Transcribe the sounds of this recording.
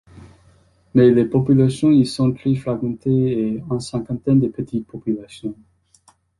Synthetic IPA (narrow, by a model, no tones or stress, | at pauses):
melepɔpylasjɔ̃isɔ̃t̪ɾeflaɡmɑ̃t̪eeɛ̃nsɛ̃ŋkɑ̃t̪ɛnd̪əpət̪ʰit̪̚pʰɔpylasjɔ̃